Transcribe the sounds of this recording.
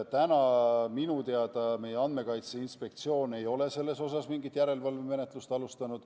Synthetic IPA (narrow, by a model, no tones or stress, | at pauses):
ɑt̪ænɑminut̪eɑd̪̥ɑme̞jeɑnd̪me̞kɑjt̪seinspe̞k̚t̪sio̞ːne̞jo̞le̞se̞lːe̞so̞sɑsmiŋɡit̪ːˑjæɾe̞lvɑlveme̞ne̞t̪ˑlust̪ɑlust̪ɑnud̪̥